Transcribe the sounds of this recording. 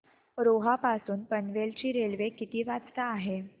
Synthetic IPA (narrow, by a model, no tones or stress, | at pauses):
ɾoɦapasuːnpənʋelt͡ɕiːɾelʋekit̪iːʋat͡st̪aːɦe